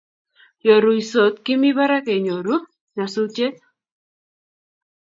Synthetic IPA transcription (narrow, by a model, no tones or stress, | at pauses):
jɔɾuisot̪kimiβaɾakeɲɔɾu | nasut͡ʃet̪̚